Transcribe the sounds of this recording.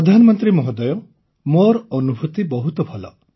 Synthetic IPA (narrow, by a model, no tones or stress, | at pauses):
pɔd̪ʱanɔmɔnt̪ɾimɔɦɔd̪ɔjɔ | moɾɔnubʱut̪ibɔɦut̪ɔbʱɔlɔ̰